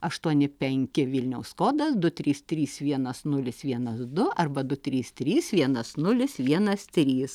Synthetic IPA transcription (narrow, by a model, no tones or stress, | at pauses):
ɐʃt̪uɔnʲɪpʲɛŋʲkʲɪʋʲɪlʲnʲɛʊsskoːd̪ɐsd̪ʊt̪ʲɾʲiːst̪ʲɾʲiːsʋʲiɛnɐsnʊlʲɪsʋʲiɛnɐsd̪ʊɐrbɐd̪ʊt̪ʲɾʲiːst̪ʲɾʲiːsʋʲiɛnɐsnʊlʲɪsʋʲiɛnɐst̪ʲɾʲiːs